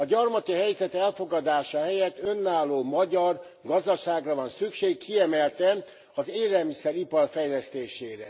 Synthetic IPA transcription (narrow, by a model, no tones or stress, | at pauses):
ɒɟɒrmɒt̪iɦɛjzɛt̪ɛlfo̞ɡɒd̪aːʃɒɦɛjɛt̪ːø̞nːaːlːoːmɒɟɒr | ɡɒzd̪ɒʃaːɡrɒvɒnsykʃeːkːʰiɛmɛlt̪ɛ | ɒzeːɾɛlmisɛɾipɒrfɛjlɛst̪eːʃeːɾɛ